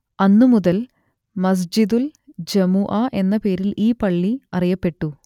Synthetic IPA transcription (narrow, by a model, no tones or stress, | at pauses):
ɐnːumuðɐl | mɐs̬d͡ʑid̪uld͡ʑɐmuʔɐʔe̞nːɐpe̞ːɾiliːpɐɭːiɐrijɐpːe̞ʈːu